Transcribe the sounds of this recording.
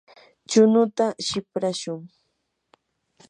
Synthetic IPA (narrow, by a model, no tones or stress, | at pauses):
t͡ʃʊnʊt̪aʃɪpɾaʃʊŋ